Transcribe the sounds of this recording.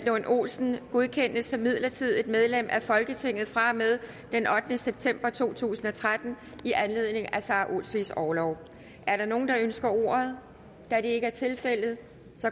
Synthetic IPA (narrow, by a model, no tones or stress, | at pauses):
lonʔo̝̰ːlsn̩ɡ̥o̝ð̞ˠkʰen̰d̥əsɒmːið̞̰ˠlɐt͡sʰið̞̰ˠe̝d̥með̞ˠlem̰ʔæfɒ̽lɡ̥ət͡sʰe̝ŋ̰ð̩ˠfʁɑ̈með̞ˠ | d̥enʔɒ̽d̥nəseb̥̚t͡sʰem̰b̥ɐt͡sʰo̝̰ːt͡sʰṵːsn̩ɒ̽t͡sʰʁad̥n̩ | iʔænle̝ð̞̰ˠne̝ŋæsɑ̈ːʔo̝̰lsʋisɒːlɒʊ | ʔæɐɾɑ̈no̝ːn̩d̥ɑ̈ønsɡ̥ɐo̝̰ːɐð̞ˠ | d̥æd̥e̝e̝ɡ̥əæɐt͡sʰe̝lfel̰ð̩ˠ | sɒ̽